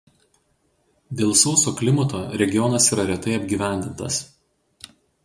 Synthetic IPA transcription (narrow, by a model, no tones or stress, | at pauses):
d̪ʲeːlˠsoːsoːklʲɪmɐt̪oːɾʲɛɡʲɪjɔnɐsiːɾɐɾʲɛt̪ɐɪɐbʲɡʲiːʋʲæˑnʲd̪ʲɪnt̪ɐs